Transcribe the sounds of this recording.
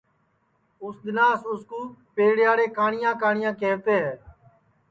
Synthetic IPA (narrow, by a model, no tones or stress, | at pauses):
ʊsd̪ɪnaːsʊskuːpeːɽɪjaːɽeːkaːɳɪjãːkaːɳɪjãːkeːʋt̪eːɦɛː